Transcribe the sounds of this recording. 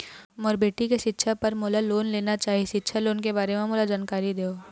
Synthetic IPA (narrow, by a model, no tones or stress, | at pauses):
mɔːɾbeːʈikeʃɪtːʃʰapɐɾmoːlaloːnleːnat͡ʃaːɦiʃɪtːʃʰaloːnkebaːɾemẽmoːlad͡ʒaːnkaːɾid̪eːoː